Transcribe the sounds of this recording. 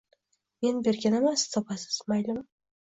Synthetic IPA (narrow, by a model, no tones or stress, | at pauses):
me̞nbe̞ɾɡʲanemast̪ʰɒpʰasɪ̥z̥majlʊm